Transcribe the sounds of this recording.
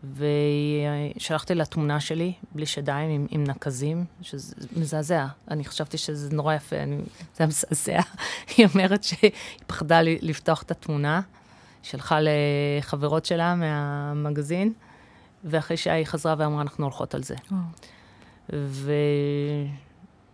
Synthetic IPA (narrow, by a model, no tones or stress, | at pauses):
veiʃalaχt̪ilatmunaʃe̞libliʃadaimimḭmnakazimʃezmezazeaaniχḁʃavt̪iʃezenoʁajafḛa̰niz̥eamezazḛaio̞me̞ʁetʃeipḁχdalilifto̞aχe̥tatmuna | ʃelχaleχaveʁo̞tʃe̞lameamaɡazin | veaχʁejʃea̰iχazʁaveamʁaːnaχnuolχo̞̰ta̰lzḛ | ve